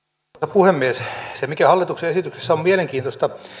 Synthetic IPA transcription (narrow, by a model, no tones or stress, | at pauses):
epuhemːiessemikæhɑlːit̪ukseesit̪ykse̥sːæommieleŋkiːnt̪ost̪ɑ